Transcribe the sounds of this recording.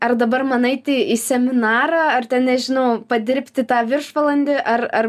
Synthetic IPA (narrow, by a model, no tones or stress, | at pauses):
ɐrd̪ɐbɐrmɑnɐɪt̪ʲɪiːsʲɛmʲɪnɑːɾɑːɐrt̪ʲɛnnʲɛʒʲɪnɐʊpɐd̪ʲɪɾʲpʲt̪ʲɪt̪ɑːʋʲɪrʃʋɐlˠɐnʲd̪ʲɪʔɐrɐr